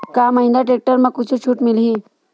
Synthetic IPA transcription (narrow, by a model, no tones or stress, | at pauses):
kamaĩnd̪aʈek̚ʈəɾməɡ̚kut͡sʰut͡ɕʰuːʈmilɦi